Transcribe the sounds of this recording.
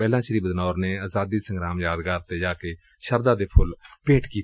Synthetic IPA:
pɛːlãːʃəɾiːbd̪nɔːɾneːaːzaːd̪iːsə̃ŋɡɾaːmjaːd̪ɡaːɾt̪eːd͡ʒaːkeː | ʃəɾd̪aːd̪eːpʰʊlpẽːʈkiː

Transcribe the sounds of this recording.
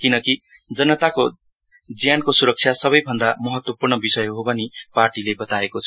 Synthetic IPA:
kinʌki | d͡zʌnʌt̪ako | d͡zjankosuɾʌk̚t͡sʰjasʌβʌjbʱʌnd̪amʌɦʌt̪wʌpurnʌbisʌjɦobʌniparʈilebʌt̪aekot͡sʰʌ̥

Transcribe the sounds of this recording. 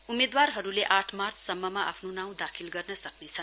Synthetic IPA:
umed̪warɦʌɾuleʔaʈʰmart͡sʰsʌmːʌmaʔa̰pʰnonaw̃d̪akʰilɡʌrnʌsʌknet͡sʰʌn

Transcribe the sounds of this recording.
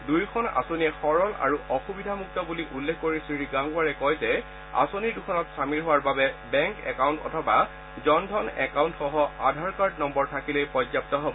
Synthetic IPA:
dujkʰɔna̰soniɛxɔɹɔla̰ɹuʔɔxubidʱamuk̚tɔbuliʔulːekʰkoɹisɹiɹiɡaŋɡuwaɹɛkɔjzɛ | a̰soniɹdukʰɔnɔtsamiɹɦowaɹbabɛbɛŋkɛ̰kawntɔ̰tʰɔba | zɔndʱɔnɛkawntxɔɦɔadʱaɹkaɹdnɔmbɔɹtʰakilejpɔzap̚tɔɦɔbɔ

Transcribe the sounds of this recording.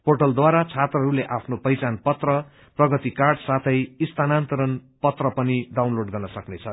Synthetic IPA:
pʰorʈʌld̪waɾat͡sʰat̪rʌɦʌɾuleʔapʰnopʌjt͡sanpʌt̪rʌ | prʌɡʌt̪ikarɖsat̪ʰʌjist̪anant̪ʌɾʌnpʌt̪rʌpʌniɖawnloɖɡʌrnʌsʌknet͡sʰʌ

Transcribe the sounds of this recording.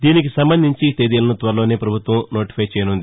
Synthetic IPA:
d̪iːnik̬isɐmbɐnd̪ʱiɲt͡ʃit̪eːd̪iːlɐnut̪ʋɐɾɐlo̞ːneːpɾɐbʱut̪ʋɐmnoːʈi̥pʰɐjt͡ʃɛːjɐnund̪i

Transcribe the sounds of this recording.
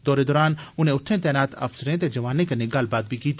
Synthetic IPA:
d̪ɔːɾed̪ɔːɾaːnʊn̤ẽʊt̪ʰːẽt̪ɛːnaːt̪ʰɐ̰fsɾẽt̪ed͡ʒɐʋaːnẽkɐnẽɡalbaːd̪̚bʱikiːt̪ː

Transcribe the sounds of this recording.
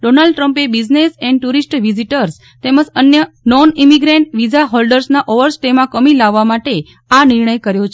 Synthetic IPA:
ɖonalɖʈɾəmpebid͡ʒnesɛ̃ɳɖʈuɾisʈʋiziʈəɾs | t̪eməd͡ʒənjə | nɔnimiɡɾẽɳʈʋid͡ʒaɦɔlɖəɾsnaʔoʋəɾsʈemãkəmilaʋːamaʈe | aniɾɳəjkəɾjot͡ʃʰ

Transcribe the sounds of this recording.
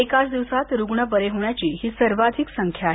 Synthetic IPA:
ekat͡sd̪iʋsat̪ɾuɡɳəbəɾeɦoɳjat͡ɕiːɦiːsəɾʋad̪ʱiksəŋkʰja

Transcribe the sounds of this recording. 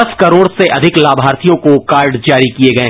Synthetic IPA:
ɐskɐɾoːɽseʔɐd̪ʱɪklaːbʱaːɾt̪ʰijõkokaːɾɖd͡ʒaːɾikieɡɐẽː

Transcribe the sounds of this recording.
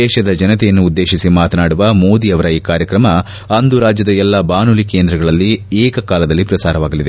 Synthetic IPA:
ɛːʃɐd̪ɐd͡ʒɐnɐt̪ɛjɐnːuːd̪ːe̞ːʃisimaːt̪ɐnaːɽuʋɐmo̞ːd̪iɐʋɐɾɐiːkaːɾjɐkɾɐmɐ | ɐnd̪uɾaːd͡ʒjɐd̪ɐɛlːɐbaːnulike̞ːnd̪ɾɐɡɐɭɐlːieːkɐkaːlɐd̪ɐlːipɾɐsaːɾɐʋaːɡɐlid̪e

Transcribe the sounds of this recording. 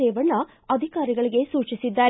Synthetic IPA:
ɛːʋɐɳːɐ | ɐd̪ʱikaːɾiɡɐɭiɡe̞suːt͡ʃisid̪ːaːɾ

